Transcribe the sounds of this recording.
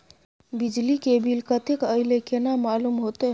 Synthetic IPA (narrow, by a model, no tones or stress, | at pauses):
bid͡ʒlikebʱilkət̪ekəɪlekenamalumɦot̪e